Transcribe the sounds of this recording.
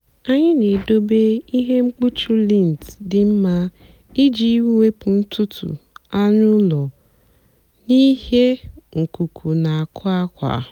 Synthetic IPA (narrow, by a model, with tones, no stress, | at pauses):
a˦ɲɪ˦ne˨do˦be˦i˦ɦe˦ŋ͡m̩˦k͡pu˦t͡ʃu˦li˦˨n˨tdɪ˨m̩˦ma˦ | i˦d͡ʒi˦i˦wu˦we˦pʊ˨n̩˦tʰʊ˦tʰṵ˨a˦ɲʊ˦lɔ˨ | ni˦ɦe˦ŋ̩˨ku˨kʰu˨na˨a˨kʰʊ˦a˦kʷa̰˨